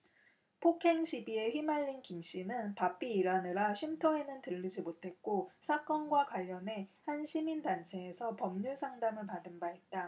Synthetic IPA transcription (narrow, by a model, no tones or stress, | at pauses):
pʰokʰe̞ŋɕʰibie̞ɸɥimaʎːinkimɕ͈inɯnpap͈ʰiːɾanɯɾaɕʰimtʰʌe̞nɯntɯʎːid͡ʑimotʰe̞k̚k͈osʰak͈ʌnɡwakwaʎːʌne̞hanɕʰimindant͡ɕʰe̞ːsʰʌpʌmɲusʰaŋdamɯɭpadɯnbait̚t͈a